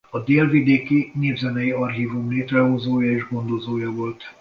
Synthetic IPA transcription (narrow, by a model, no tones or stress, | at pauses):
ɒd̪eːlvid̪eːkineːvzɛnɛjiɒrɦiːvumleːt̪rɛɦo̞zoːjɒeːʒɡo̞nd̪o̞zoːjɒvo̞lt̪